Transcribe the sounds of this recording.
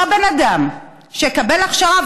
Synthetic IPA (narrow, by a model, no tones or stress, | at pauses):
abenad̪am | ʃekabelaχʃaʁav